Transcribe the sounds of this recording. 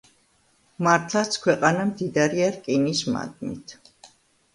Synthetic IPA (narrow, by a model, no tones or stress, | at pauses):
maɾt̪ʰlˠat̪sʰkʰwɛqʼanamd̪id̪aɾiaɾkʼinisma̰d̪ʼmḭt̪ʰ